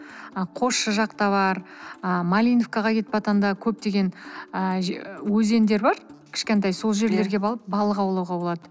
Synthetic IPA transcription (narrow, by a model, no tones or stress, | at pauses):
qʰo̞ʃːəʒɑqt̪ɑβɑɾəmalʲijnofkɑʁɑkʲʰe̞t̪pɑt̪ɑnd̪ɑkʲʰɵp̚t̪e̞ɡʲe̞nəʒwɵze̞nd̪e̞ɾbɑɾkʲʰɪ̥ʃkʲe̞nt̪ɑjso̞lˠʒe̞ɾle̞ɾɡʲe̞bɑlˠəp̚bɑlˠəqɑwlˠɑwʁɑbo̞lˠɑd̪ə